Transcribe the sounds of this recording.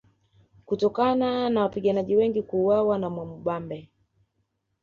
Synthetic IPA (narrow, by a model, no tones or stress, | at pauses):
kutɔkananawapiɠanaʄiwɛŋɡikuːwawanamwamuɓambɛ